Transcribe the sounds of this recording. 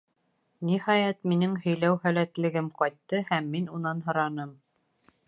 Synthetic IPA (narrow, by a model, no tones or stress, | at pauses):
nihɑjɑt̪̚minɘŋhɵ̆jlæwhælæt̪lɘ̆ɡɘmqɑjt̪ːɤhæmːinunɑnɦɤ̆ɾɑnɤm